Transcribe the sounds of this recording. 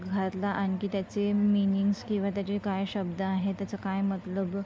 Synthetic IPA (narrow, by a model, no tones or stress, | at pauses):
ɡʱat̪laʔañikiːt̪jat͡seminiŋɡskĩw̃ʋat̪jat͡ɕekajɕəbd̪əaɦet̪jat͡səkajmət̪ləb